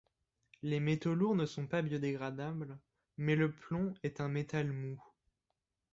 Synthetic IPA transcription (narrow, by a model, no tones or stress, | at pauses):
lemet̪oluʁnəsɔ̃pabjød̪eɡʁad̪abl | mɛləplɔ̃ɛt̪ɛ̃met̪almu